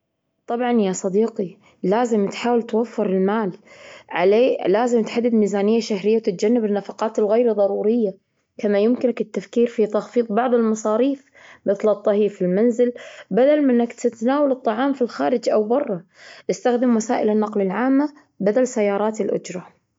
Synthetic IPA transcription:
t̪ˤɑbʕɑnjasˤɑd̪iːqi | laːzɪmt̪ħaːwɪlt̪wafːɪɾɪlmaːlʕa̰leːlaːzɪmt̪ħad̪ːɪd̪miːzaːnɪjːaʃahɾɪjːawt̪ɪt̪̚d͡ʒanːɪbɪnːafɑqɑːt̪ɪlɣajɾðˤɑɾˤuːɾɪjːa | kamajʊmkɪnakɪt̪ːafkiːɾfit̪ɑxfiːt̪ˤbɑʕðˤɪlmɑsˤɑːɾiːf | mɪθlɨt̪ˤːɑhiːɾfilmanzɪlbad̪almʔɪnːakt̪ɪt̪naːwalɨt̪ˤːɑʕɑːmfilxaːɾɪd͡ʒʔawbɑrˤːɑ | ʔɪst̪axd̪ɪmwasaːʔɪlanːɑqlɪlʕaːmːa | bad̪alsajːɑːɾˤɑːt̪ɪlʔʊ̰d͡ʒɾˤɑ

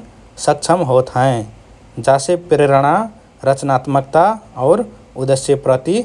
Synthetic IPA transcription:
sək̚t͡ʃʰəmɦoːt̪ɦɛ̃ | d͡ʒasepɾeɾəɽ̃a | ɾət͡ʃnaːt̪mək̚t̪aɔːɾ | ʊd̪əsjəpɾət̪i

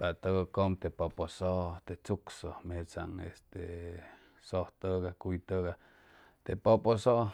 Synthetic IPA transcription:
pat̪oɡokomt̪epoposoʔt̪et͡suksomeet͡sa̰ŋest̪e | soht̪əɡakujt̪əɣa | t̪epoposoʔ

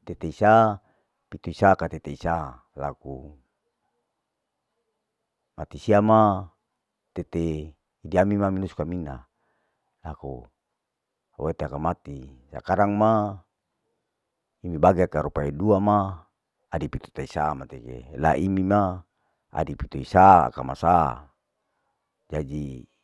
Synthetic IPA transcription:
t̪et̪eisa | pit̪uisakat̪et̪eisa | laku | mat̪isiama | t̪et̪eː | diamimaminuskamina | lakṵ | awet̪eakamat̪isa̰kaɾaŋma | imibaɡeakaɾupaeduamaː | dipit̪u̥t̪aisamat̪ekḛla̰ʔimima | a̰dipit̪uisaa̰kamasa | d͡ʒad͡ʒi

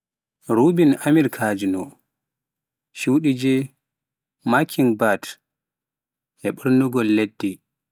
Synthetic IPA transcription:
ɾubinʔamiɾkʰaːd͡ʒinɔ | ʃuwɗid͡ʒɛ | makʰiŋbat | ʔɛɓuɾnuɡɔlːedːi

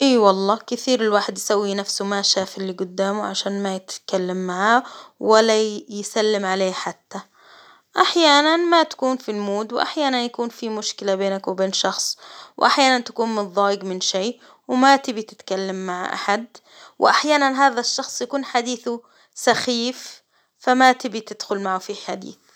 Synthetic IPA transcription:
ʔiːwɑlˤːɑːkɪθiːɾɪlwaːħɪd̪jsawːinafsʊmaʃaːfɪlːiɡʊd̪ːaːmʊʕaʃaːnmajɪt̪kalːamːaʕaːwalːajɪsalːɪmʕaleːħat̪ːa | ʔaħjaːnanmat̪ḁkuːnfilmuːd̪wɪʔa̰ħjaːnanjakuːnfimʊʃkɪlabeːnakwɪbeːnʃɑxsˤwʔaħjaːnant̪ḁkuːnmɨnðˤɑːjɪɡmɪnʃiː | wɪmat̪ɪbit̪ɪt̪kalːamːaʕʔa̰ħad̪ | wɪʔaħjaːnanɦaːðaʃːɑxsˤjakuːnħad̪iːθu | saxiːf | famat̪ɪbit̪ɪd̪̥xʊlmaʕʊfiħad̪ḭːθ

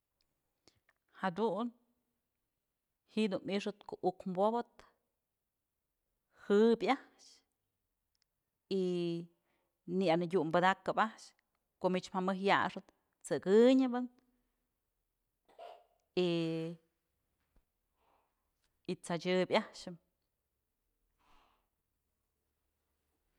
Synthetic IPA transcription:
had̪un | hiʔd̪unmiʂɨt̪koʔukmbobɨt̪ | hɨbʲaʔʃ | i | nianɨɡʲuʔmbɨd̪akɨpaʔʃ | koʔmiʔt͡ʃmhamɨɦjaʂɨt̪̚ | t͡sɨɡɨɲɨbɨn | i | it͡sat͡ʃɨbʲahʃɨm

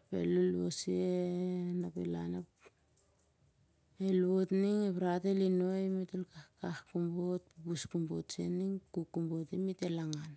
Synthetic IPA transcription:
pe̞̰luluo̰sienapḛla̰nap | eluo̞tniŋeβɾatelinoimitulkakahkumbot̚pupuskumbott͡ʃḛniŋkukːumbo̞timitelaŋan

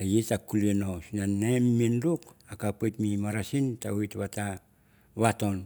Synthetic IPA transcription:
ajetakulienosinanemːindukakapatmimaɾasintauitβata | βato̞n

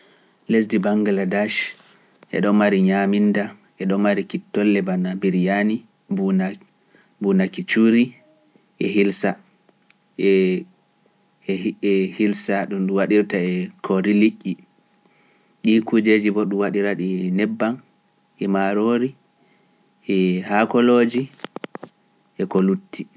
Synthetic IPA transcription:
les̬dibaŋɡaladaʃ | ʔɛ̰ɗɔmaɾiɲaminda | ʔɛɗɔmmaɾikitːɔlːɛbanabiɾjani | b | bunakit͡ʃuɾi | ʔɛɦilsa | ɛ | ɛhilsaɗumɗuwaɗiɾtaɛkʰoɾilikʲːi | ɗikud͡ʒed͡ʒibɔɗumwaɗiɾaɗinɛbːan | ʔɛmaɾoɾi | ʔɛhakɔloːd͡ʒi | ʔɛkolutːi

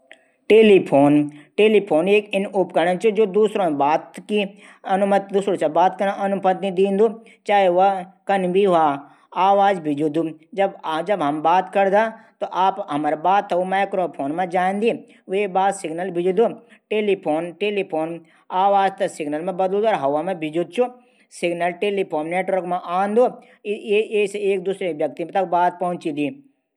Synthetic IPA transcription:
ʈeːlipʰoːnʈeːlipʰoːneːkɪnʊpkəɾnət͡ʃod͡ʒoːd̪uːsɾõbaːt̪ki | ɐnʊmət̪d̪uːsɾõt͡ʃabaːt̪kɐɾãʔɐnʊpət̪id̪ĩːnd̪o | t͡ʃaːeʋɐkɐnbʱiɦaː | aːʋaːzbʱɪd͡ʒud̪ud͡ʒɐbd͡ʒɐbɦɐmbaːt̪kɐɾd̪aːt̪oʔaːpɦɐmaɾebaːt̪ʰːɐumaːɪkɾoːpʰoːnmẽd͡ʒãːnd̪i | ʋebaːd̪sɪɡnəlbʱɪd͡ʒud̪uʈeːlipʰoːnʈeːlipʰoːn | aːʋaːzt̪ɐsɪɡnəlmẽbɐd̪ld̪ɔːɾɦɐʋamẽbʱɪd͡ʒud̪̚t͡ʃʰu | sɪɡnɐlʈeːlipʰoːnːeːʈʋəɾkmãʔaːnd̪o | eseeːk̚d̪uːsɾeʋjɐk̚t̪imet̪ɐk̚baːt̪̚pɐɦʊ̃t͡ʃĩd̪i

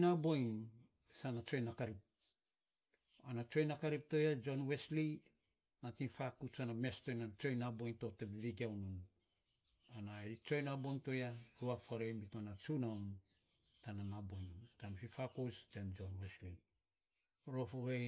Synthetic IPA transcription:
nabojn | sanat͡ʃo̞jnakaɾip̚ | anat͡ʃo̞jnakaɾip̚to̞jad͡ʒo̞nwesli | natifakut͡ʃanamesto̞jnat͡ʃo̞jnabo̞jnto̞tebiviɡiawnun | anajt͡ʃo̞jnabojnto̞jahuafaɾejmbitanat͡ʃunawn | tananabojntanfifakostand͡ʒonwesli | ɾofoβe

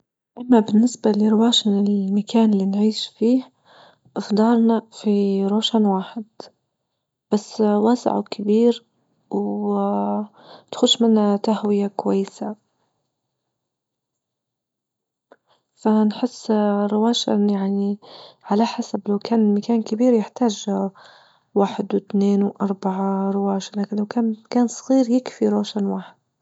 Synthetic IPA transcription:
ʔamːabɪnːɪsbalɪɾɪwaːʃmɪlmakaːnɪlinʕiːʃfiːh | ʔɪfd̪ˤɑɾˤnafiɾoːʃanwaːħɪd̪ | b̥asːwaːsɪ̰ʕ̰kɪbiːɾ | w | t̪xʊʃmɪnhat̪ahwɪjakwajːɪsa | fanħɪsːɾɪwaːʃaʔnjaʕniʕalaħasablawkʰaːnmakaːnkɪbiːɾjɪħt̪aːʒ | waːħɪd̪wɪt̪neːnwʔɑɾˤbaʕaɾɪwaːʃalakɪlawkaːnkaːnsˤɣiːɾjɪkfiɾˤoːʃanwaːħɪd̪̥̚

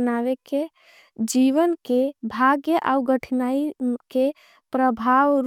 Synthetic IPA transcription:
naʋeke | d͡ʒiʋənkebʱaɡjəʔauɡəʈʰinaike | pɾəbʱaʋɾ

